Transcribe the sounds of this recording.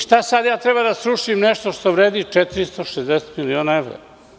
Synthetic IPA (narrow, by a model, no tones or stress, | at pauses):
ʃt̪asad̪jaːt̪ɾebad̪asɾuʂimnɛʃt̪oʃt̪oʋɾeːd̪it͡ʂɛt̪iɾist̪oʃezd̪eset̪milionaeʋɾa̰